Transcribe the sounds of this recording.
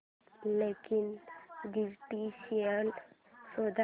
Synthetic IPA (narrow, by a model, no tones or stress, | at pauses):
leːkɪnɡɪɾʈiʃijəl | sod̪a